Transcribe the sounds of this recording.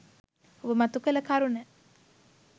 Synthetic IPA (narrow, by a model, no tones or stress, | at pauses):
obəmat̪ukələkaɾunɛ